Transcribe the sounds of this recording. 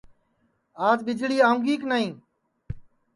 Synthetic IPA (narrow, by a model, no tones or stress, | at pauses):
aːzɓɪd͡ʒɽiːaːũːŋɡiːknaːĩː